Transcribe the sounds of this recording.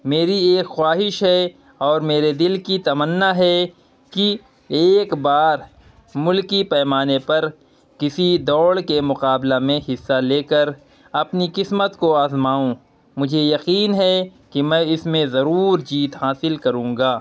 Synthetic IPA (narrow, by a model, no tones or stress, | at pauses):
meːɾieːkxwaːɦɪʃɦɛ | ɔːɾmeːɾed̪ɪlkit̪ɐmənːaɦɛ | ki | eːkbaːɾ | mʊlkipɛːmaːnepɐɾ | kɪsid̪ɔːɽkemʊqaːblamẽhɪsːaleːkəɾ | ɐpnikɪsmət̪koaːzmaːũ | mʊd͡ʒʱejɐqiːnɦɛkimɛ̃ɪsmẽzɐɾuːɾd͡ʒiːt̪haːsɪlkɐɾũːŋɡaː